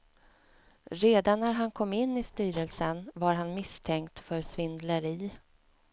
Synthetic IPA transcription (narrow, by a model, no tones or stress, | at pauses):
ɾeːd̪anːæɾɦankʰɔmːɪnːɪst̪yːɾəlsənvaɾɦanmɪst̪ʰɛŋkt̪fœɾsvɪnd̪ləɾiː